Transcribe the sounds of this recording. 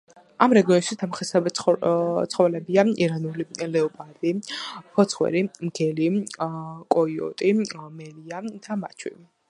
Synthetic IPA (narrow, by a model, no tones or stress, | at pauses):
amɾɛɡiɔnʃit̪ʰamχɛsɛbɛ | t̪sʰχɔvlɛbiaiɾanulilɛɔpʼad̪ipʰɔt̪sʰχwɛ̰ɾimɡɛli | kʼɔiɔ̰t̪ʼimɛliad̪̥ama̰t͡ʃʰwḭi